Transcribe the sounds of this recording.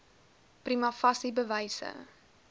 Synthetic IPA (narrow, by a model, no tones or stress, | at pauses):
primɐfɐsibəvəjsə̰